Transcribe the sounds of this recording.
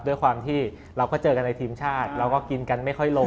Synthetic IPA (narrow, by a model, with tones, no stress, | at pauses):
du˥˩əjkwaː˧mt̪ʰiː˥˩ | ɾa˧wkɔː˥˩t͡ɕɤː˧ka˧nːa˧jt̪ʰiː˧mt͡ɕʰaː˥˩t̪̚ɾa˧wkɔː˥˩ki˧nka˧nma˥˩jkʰɔ˥˩jlo˧